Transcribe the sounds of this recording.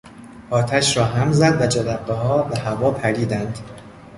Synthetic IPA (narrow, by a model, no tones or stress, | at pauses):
ɒːt̪ʰæʃɾɒːɦæmzæd̪væd͡ʒæd̪æbːehɒːbehævɒːpʰæɾiːd̪ænd̪̥